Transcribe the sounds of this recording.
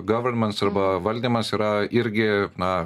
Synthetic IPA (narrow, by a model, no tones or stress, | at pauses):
ɡɐʋɐɾnmɐnsɐɾbɐʋɐlʲd̪emɐnsiɾaiɾɡena